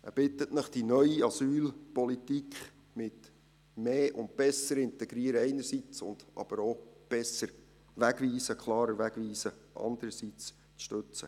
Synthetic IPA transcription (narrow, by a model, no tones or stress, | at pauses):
æb̥ɪt̪ətnəχd̥inœʏiɑsyːlpɔlitikχ | mɪt | meːʔʊnt̚b̥ɛsəɾɪnt̪ɛɡɾiəɾəɛɪnəɾsit͡sʊ̰nd̥̪ʔɑ̰b̥əɾob̥ɛsəɾ | ʋæɡʋiːsəkʰlɑːɾəʋæɡʋiːsəʔɑ̰nd̪əɾəsit͡s | t͡sʃtøt͡sə